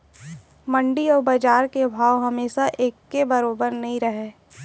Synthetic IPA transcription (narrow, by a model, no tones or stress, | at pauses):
mɐ̃ɳɖiɔːɾbaːd͡ʒaːɾkebʱaːwɦɐmeːʃaʔeːkːebɐɾoːbəɾnɐɦĩɾɐɦeː